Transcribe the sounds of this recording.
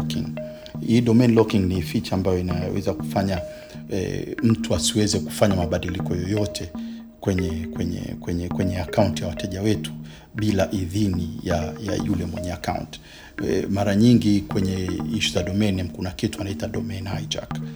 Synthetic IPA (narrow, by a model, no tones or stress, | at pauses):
kiŋ | iːɗɔmɛnlɔkiŋnifit͡ʃaːmbajɔina̰wʔɛ̰zaku̥faɲa | ɛ̰m̩tuasiwɛzɛku̥faɲamaɓaɗilikɔjɔjɔtʰɛ | kwɛɲɛkwɛɲɛ̰kwɛɲɛkwɛɲɛakauntijawatɛʄawɛtu̥ | ɓilaʔiðinijaja̰julɛmwɛɲɛaka̰ṵnti̥ | maɾaɲiŋɡikwɛɲɛiʃizaɗɔmɛnɛmkunakituanaitaɗɔmɛnajd͡ʒa̰k